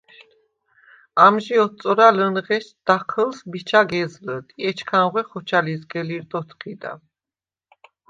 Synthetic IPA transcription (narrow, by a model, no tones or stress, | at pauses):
amʒiɔt͡s̪ʼɔɾalənʁɛʃd̪̥aχʰəlsbit͡ʃʰaɡɛzlət̪ʼiɛt͡ʃʰkʰanʁwɛχɔt͡ʃʰalizɡɛliɾd̪ʼɔt̪ʰχid̪a̰